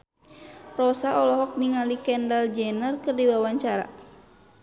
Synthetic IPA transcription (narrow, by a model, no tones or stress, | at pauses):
rɔsaɔlɔɦɔk̚niŋalikɛndald͡ʒɛnərkɨrdiwawaɲt͡ʃaɾa̰